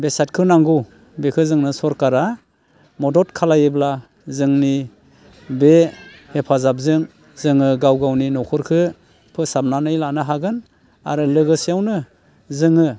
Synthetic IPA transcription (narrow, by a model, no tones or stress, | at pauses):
besat̚kʰɯnaŋɡuw | bekʰɯzɯŋnɯsɔɾkaɾa | mɔdɔtkʰalajebla | zɯŋni | behepʰazap̚zɯŋ | zɯŋɯɡawɡawninɔkʰɯɾkʰɯ | pʰɯsab̚nanɯjlanɯɦaɡɯn | a̰ɾɯlɯɡɯsijawnɯ | zɯŋɯ